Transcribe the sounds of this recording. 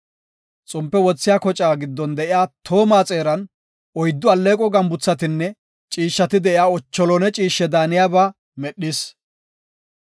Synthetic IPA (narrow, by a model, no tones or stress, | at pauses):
t͡sʼʊmpːɛwɔt͡sːɪjaːkɔt͡ʃʼaːɡɪd̪ːɔnd̪ɛʔɪjaːt̪ʰo̞ːmaːt͡sʼe̞ːɾɐn | ʔɔjd̪ːʊɐlːeːkʼɔɡɐmbʊt͡sːɐt̪ɪnːɛ | t͡ʃʼiːʃːɐt̪ɪd̪ɛɪjaːɔt͡ʃːɔlɔnɛt͡ʃʼiːʃːɛd̪aːnɪjaːbaː | mɛɗːɪs